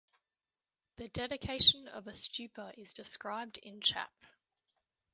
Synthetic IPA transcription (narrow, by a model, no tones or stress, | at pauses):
ðədɛɾɪkʰeɪʃə̃nə̰vəst͡ʃʉˑpʰəʔɪzdɪskɹaɪb̚dɪ̰̃nt͡ʃʰa̰p̚